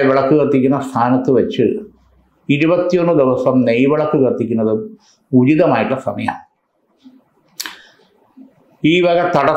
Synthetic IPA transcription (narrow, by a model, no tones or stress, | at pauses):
ʋeɭɐkːɨɣɐrt̪ːikʲːunːɐst̪ʰaːnɐt̪ːɨʋɐt͡ɕːɨ | iɾubɐt̪ːijo̞nːɨd̪iʋɐsɐmnejʋɐɭɐkːɨɣɐrt̪ːikʲːunːɐðɨ | ud͡ʑiðɐmaːjiʈːlɐsɐ̰mɐjɐ̰m | iːʋɐɡɐt̪ɐɽɐ